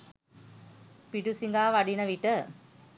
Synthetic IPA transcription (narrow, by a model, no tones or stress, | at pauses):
piɖusiŋɡaːʋaɖinəʋiʈə